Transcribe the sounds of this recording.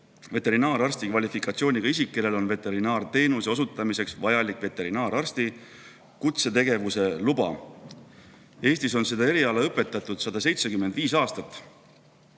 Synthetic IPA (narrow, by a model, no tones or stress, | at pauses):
ve̞t̪e̞ɾinɑːɾɑrst̪ikvɑlʲifikˑɑt̪sio̞ːnʲiɡ̥ɑis̬ikːe̞le̞lo̞nve̞t̪ːe̞ɾinɑːrt̪e̞ːnuseo̞s̬ut̪ːˑɑmise̞ksvɑjɑlikve̞t̪ːˑe̞ɾinɑːɾɑrst̪i | kut̪se̞t̪e̞ɡe̞vuse̞lubɑ̰ | e̞ːst̪iso̞nse̞d̪ɑe̞ɾiɑleɤpːˑe̞t̪ːˑɑt̪ˑud̪̥sɑd̪̥ɑse̞jt̪se̞kymːe̞nd̪̥viːsɑːst̪ɑt̪ːˑ